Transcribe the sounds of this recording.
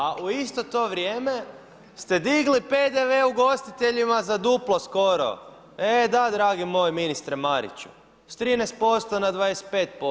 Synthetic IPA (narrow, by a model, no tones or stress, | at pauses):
aʔuist̪o̞t̪o̞ʋɾjeːme̞ | st̪e̞d̪iɡliped̪eʋeuɡo̞st̪it̪eʎimazad̪uplˠo̞sko̞ɾo̞̰ | ed̪ad̪ɾaːɡimo̞jeminist̪ɾemaɾḭt͡ɕu̥̰ | st̪ɾiːnɛjst̪̚po̞st̪onad̪ʋaːdese̥t̪̚pe̞ːt̪̚po